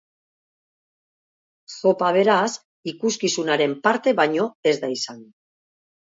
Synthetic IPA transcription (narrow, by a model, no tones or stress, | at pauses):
so̞paβ̞e̞ɾas | ikuskisunaɾe̞mpaɾt̪e̞βaɲo̞e̞zd̪aisaŋ